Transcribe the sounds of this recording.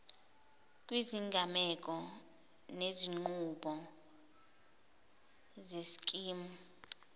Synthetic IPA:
kʼwiziŋɡʱamɛk̬ʼɔ | neziŋ͡ǃuɓɔ | zesi̥kʼiːmu

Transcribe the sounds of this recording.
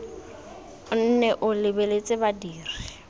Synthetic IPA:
n̩nɛʔʊlɪbelet͡sʼɪbadiːri

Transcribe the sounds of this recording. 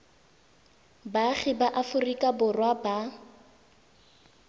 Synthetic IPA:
baχɪbaʔafʊrikʼabʊrwaba

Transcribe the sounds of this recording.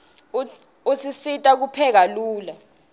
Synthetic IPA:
usisitʼak̬upʰɛk̬aluːla

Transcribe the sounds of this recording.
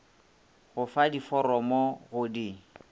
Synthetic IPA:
ɣʊfadifɔɾɔmɔɣʊdi

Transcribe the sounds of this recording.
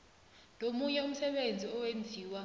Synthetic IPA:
nomuɲɛum̩sɛɓend͡zʱiɔwend͡zʱiːwa

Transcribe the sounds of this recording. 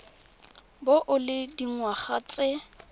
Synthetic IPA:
boʔʊlɪdiŋwaχat͡sʼɪ

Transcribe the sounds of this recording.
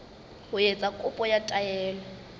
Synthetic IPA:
hʊjet͡sʼakʼʊpʼɔjatʼajɛːlɔ

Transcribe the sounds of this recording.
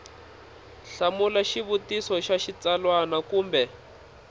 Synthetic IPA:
ɬamulaʃiβutisɔʃaʃit͡salwanakuːmbɛ

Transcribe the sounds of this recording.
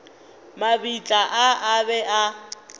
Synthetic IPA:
mabit͡ɬʼaʔaʔaβɛʔa

